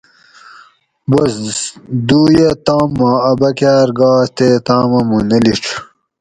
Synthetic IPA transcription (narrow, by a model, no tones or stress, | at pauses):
bɐsd̪uːjet̪aːmːaɐbɐkaːɾɡaːst̪et̪aːmɐmunɐliʈ͡ʂʰ